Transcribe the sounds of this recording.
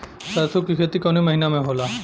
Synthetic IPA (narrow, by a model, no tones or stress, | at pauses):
sasokikʰet̪ikoniməɦinamẽɦola